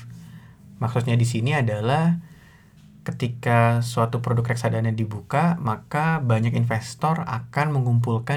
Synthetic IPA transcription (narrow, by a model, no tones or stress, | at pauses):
maksʊt̪̚ɲadisiniadalah | kət̪ikasuat̪upɾodʊkrɛk̚sadanadibukamakabaɲakinfɛst̪ɔra̰kanməŋumpulka